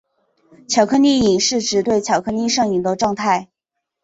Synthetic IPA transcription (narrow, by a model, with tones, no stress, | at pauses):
t͡ɕʰjɑ˨˧˩ʊkʰɤ˥ni˥˩i˨˩ŋʂɻ̩˥˩ʈ͡ʂɻ̩˧˥t̪we˥˩ɪt͡ɕʰjɑ˨˩ʊkʰɤ˥ni˥˧ʂɤ˥˩ŋi˨˩ŋd̪ə˧ʈ͡ʂwɑ˥˧ŋt̪ʰa˥˩ɪ